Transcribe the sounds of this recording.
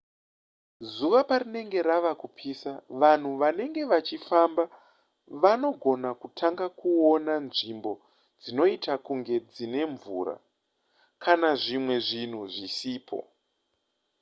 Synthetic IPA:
zuʋapaɾine̞ŋɡe̞ɾaʋakupʰiːsaʋan̤uʋane̞ŋɡe̞ʋat͡ʃifamba | ʋano̞ɡʱo̞nakutʰaŋɡakuo̞nanʐimbo̞ | d͡zino̞itakuŋɡe̞d͡zine̞ɱvṵːɾa̰ | kʰanaʐimwe̞ʐin̤uʐisiːpʰo̞̰

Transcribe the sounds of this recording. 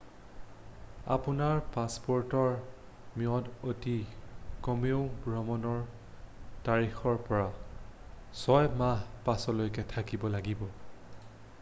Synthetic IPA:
a̰punaɹpaspɔɹtɔɹ | miɔdotikɔmeʊ̃bɹɔmɔnɔɹ | taɹixɔɹpɔɹa | sɔjmaɦpasɔlojkɛtʰakibɔlaɡibɔ

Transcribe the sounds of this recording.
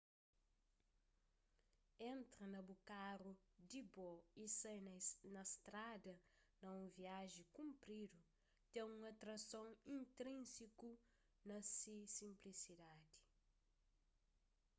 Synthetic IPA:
ẽnt̪ɾɐnɐbukaɾud̪ibɔisɐjnnɐst̪ɾad̪ɐnɐũviaʒikũmpɾid̪u | t̪ẽŋũɐt̪ɾɐsõŋĩnt̪ɾĩsiku | nɐsisĩmplisid̪ad̪i̥

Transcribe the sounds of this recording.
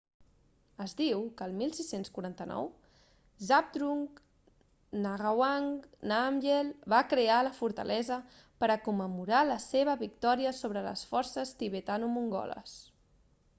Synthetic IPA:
əzd̪iwkəlˠmilˠsisenskuɾant̪ənɔ̰w | zap̚d̪ɾuŋ | naɣawaŋnamʒelβakɾealəfuɾt̪ə̰lʔɛzə | pəɾəkumːəmuɾaləseβ̞əβik̚t̪ɔɾiəsoβɾələ̰sfɔɾsəst̪iβet̪anumuŋɡɔ̰lə̰s

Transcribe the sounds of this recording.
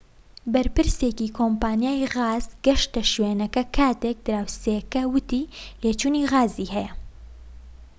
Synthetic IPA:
bɐɾpɨɾseːkikʰoːmpaːnjaːjɣaːzɡɐʃt̪ɐʃweːnɐkɐkʰaːt̪ek̚d̪ɨɾaːwsekɐwɨt̪iːleːt͡ʃuːniɣaːziːhɛjɐ

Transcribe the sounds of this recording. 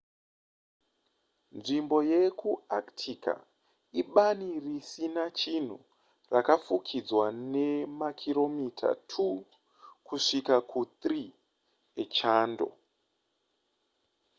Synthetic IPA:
nʐimbo̞je̞kuaktʰikʰa̰ | iɓanirisinat͡ʃin̤ṵ | rakafukʰid͡zwane̞makʰiɾo̞mitʰa̰tʰu | kuʂikakʰut̪ri | et͡ʃaːndo̞̰

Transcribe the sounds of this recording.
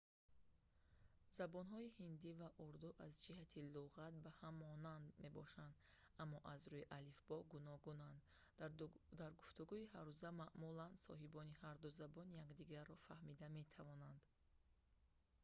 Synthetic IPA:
zabɔnɦɔihind̪ivaʔuɾd̪uʔazd͡ʒiɦat̪ʰiluʁat̪̚bahamːɔnand̪me̞bɔ̰ʃand̪ | amːɔʔazɾuiʔalifbɔɡunɔɡunand̪ | d̪aɾɡuft̪uɡuiɦaɾuzamaʔmuland̪sɔ̰ɦibɔnihaɾd̪uzabɔnjakd̪iɡaɾːɔfahmid̪ame̞t̪ʰavɔnand̪

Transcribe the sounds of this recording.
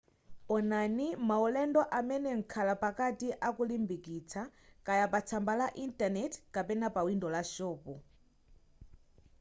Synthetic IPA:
ɔnanimaulɛndɔʔamɛnɛŋ̩kʰalapakatiʔakulimbikit͡sʰakajapat͡sʰambalaʔintanɛtkapɛnapawindɔlaʃɔːpɔ

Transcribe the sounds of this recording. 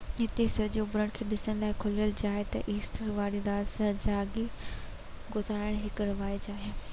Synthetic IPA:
ɦɪt̪esɐd͡ʑõbʊɾəɽ̃kʰeːɗɪsəɽ̃laːɪkʰʊlijəld͡ʑaːɦet̪ɐ̰ʔiːsʈəɾʋaːɽĩd̪d̪aːsɐd͡ʑaːɡi | ɡʊzaːɾaːɽ̃ɦɪkɾɐʋaːjd͡ʑaːɦe

